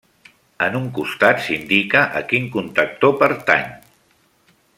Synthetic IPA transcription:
ənuŋkust̪at̪sind̪ikəʔə̰kiŋkunt̪ək̚t̪opəɾt̪a̰ɲ

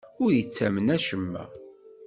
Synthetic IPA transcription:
ʊɾjət͡sːæmənæʃəmːæ̰

